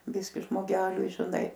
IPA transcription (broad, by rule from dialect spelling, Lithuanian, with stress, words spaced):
ˈbʲɪsʲkʲɪ ʒmoːˈɡʲæːlʲʊɪ ʒʲɪˈnɐɪ